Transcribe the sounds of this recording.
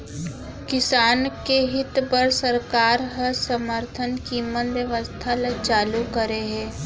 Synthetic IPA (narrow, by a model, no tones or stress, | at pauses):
kɪsaːnkeɦɪt̪pəɾsəɾkaːɾɦəɾsəməɾt̪ʰənkimːənʋjəʋəst̪ʰalet͡ʃaːlukəɾeɦɛ̃ː